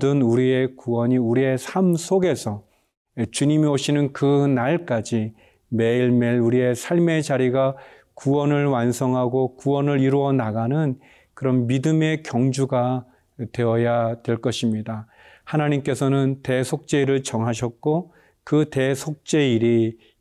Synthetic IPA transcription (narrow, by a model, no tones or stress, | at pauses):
dɯnuɾie̞kuwʌɲiuɾie̞sʰamsʰoɡe̞sʰʌ | t͡ɕuɲimioɕʰinɯnkɯnaɭk͈ad͡ʑi | me̞iɭme̞ɭuɾie̞sʰaɭme̞t͡ɕaɾiɡa | kuwʌnɯɭwansʰʌŋɦaɡokuwʌnɯɾiɾuʌnaɡanɯn | kɯɾʌnmidɯme̞kjʌŋd͡ʑuɡa | twe̞ʌjatwe̞ɭk͈ʌɕʰimɲida | hanaɲimk͈e̞sʰʌnɯnte̞sʰok̚t͡ɕ͈e̞iɾɯɭt͡ɕʌŋɦaɕʰʌt̚k͈o | kɯte̞sʰok̚t͡ɕ͈e̞iɾi